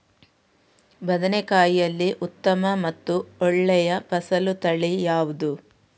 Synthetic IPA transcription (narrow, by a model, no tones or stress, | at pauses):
bɐd̪ɐnekaːjijɐlːiʔut̪ːɐmɐmɐt̪ːuɔɭːɛjɐpɐsɐlut̪ɐɭijaːʋud̪u